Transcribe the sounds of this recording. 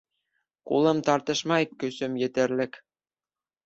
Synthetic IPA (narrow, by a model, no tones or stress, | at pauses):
kṵlˠɤ̆mt̪ɑɾt̪ɤ̆ʃmɑikːøsɘ̆mjɘ̆t̪ɘ̆ɾlʲɘ̆k